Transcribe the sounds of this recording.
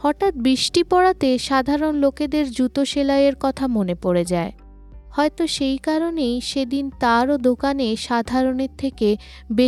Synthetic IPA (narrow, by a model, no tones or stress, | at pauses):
hɔʈat̪̚bɾiʃʈipɔɽat̪eʃad̪ʱaɾonloked̪eɾd͡ʑɾut̪oʃelaeɾkɔt̪ʰamonepoɾed͡ʑae | hɔet̪oʃejkaɾonejʃed̪int̪aɾod̪okaneʃad̪ʱaɾoneɾt̪ʰeke | be